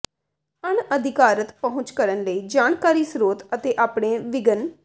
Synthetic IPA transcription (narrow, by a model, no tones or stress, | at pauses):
əɳəd̪ʱɪkaːɾət̪pəɦʊ̃t͡ʃkəɾənləiːd͡ʒaːɳkaːɾiːsɾoːt̪ət̪eːʔaːpɽeːʋɪɡən